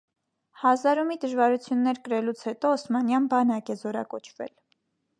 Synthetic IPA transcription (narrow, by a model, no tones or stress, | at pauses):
hɑzɑɾumid̪əʒvɑɾut͡sʰjunːɛɾkəɾɛlut͡sʰhɛt̪ɔəsmɑnjɑnbɑnɑkɛzɔɾɑ̰kɔt͡ʃʰvɛ̰l